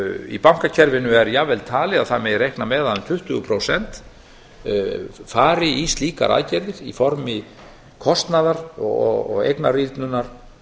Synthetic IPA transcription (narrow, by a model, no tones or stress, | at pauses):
ḭpawŋ̥kacʰɛɾvɪnʏɛɾjavɛlt̪ʰaːlɪaðθamɛðrejhknamɛːðaɛmt̪ʰʏht̪ʏɣʏpʰɾowsɛn̥t̪ | faːɾɪist̪liːka̰ɾʔa̰ðcɛɾðɪɾifɔɾmɪ | kʰɔst̪naðaɾ̥ɔɔ̰ɔ̰ɣḛjknarit̪nʏnːaɾ̥